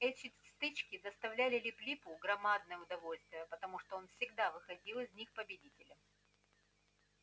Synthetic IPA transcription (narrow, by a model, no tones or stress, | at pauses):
ɛtʲɪst̪ɨt͡ɕkʲɪd̪əst̪ɐvlʲælʲɪlʲɪplʲipʊɡɾɐmad̪nəjəʊd̪ɐvolʲst̪vʲɪjəpət̪ɐmuʂt̪oonfsʲɪɡd̪avɨxɐdʲilˠɪzʲnʲixpəbʲɪdʲitʲɪlʲəm